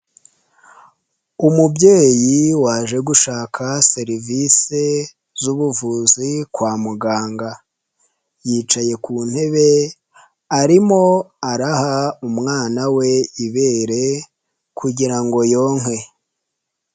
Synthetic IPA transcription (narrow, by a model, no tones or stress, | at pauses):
umubɟe̞ːjiwaːʒe̞ɡuʃaːkʰase̞ɾivise̞ | zuβuvuzikwaːmuɡaːŋɡa | jiːt͡ʃaje̞kuːn̥he̞βe̞ | aɾimo̞aɾahaumŋaːnawe̞iβe̞ːɾe̞ | kʰuɟiɾaŋɡo̞jo̞ːŋ̥e̞